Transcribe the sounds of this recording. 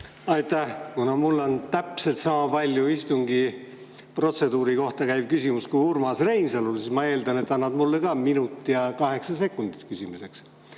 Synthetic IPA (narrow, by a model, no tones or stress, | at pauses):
ɑjt̪æhkunɑmulːo̞nt̪æpse̞lt̪sɑmɑpɑlʲjuist̪uŋɡi | pro̞t̪se̞d̪uːɾiko̞ht̪ɑkæjb̥̚kysʲimuskujurmɑsre̞jnsɑlulsismɑe̞ːld̪ɑne̞t̪ːɑnːɑd̪mulːekɑːminut̪ːˑijɑkɑɦe̞ksɑse̞kːˑund̪̥i̥t̪kysʲimise̞ks